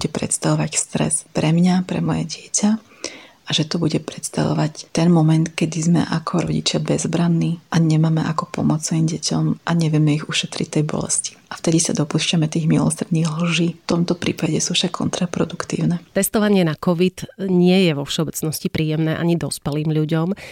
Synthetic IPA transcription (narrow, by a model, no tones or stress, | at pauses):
buɟɛpɾɛ̰t̪st̪aʋɔʋacst̪ɾɛ̰spɾɛmɲapɾɛ̰mɔjɛɟɪɛcʰa | aʒɛt̪ɔbuɟɛpɾɛt̪st̪a̰ʋɔ̰ʋact̪ɛnmɔmɛnt̪kɛd̪izmɛ̰ʔakʰɔɾɔ̰ɟḭt͡ʃɪabɛzbɾanːiːʔaɲɛmaːmɛʔakɔpɔmɔt͡sɛiːmɟɛcɔmʔaɲɛʋɪɛmɛiɣuʃɛt̪ɾict̪ɛjbɔ̰lɛ̰sci̥ʔaft̪ɛd̪isad̪ɔpuːʃcamɛt̪iːɣmilɔ̰sɾd̪niːɣl̩ʒiːft̪ɔmt̪ɔpɾḭːpaɟɛsuːfʃakʰːɔ̰nt̪ɾapɾɔd̪ukt̪ḭːʊnɛt̪ɛst̪ɔʋaɲɪɛnakɔʋit̪ɲɪɛjɛʋɔfʃɛɔbɛt͡snɔscipɾiːjɛmnɛːʔa̰ɲid̪ɔspɛliːmʎuɟɔm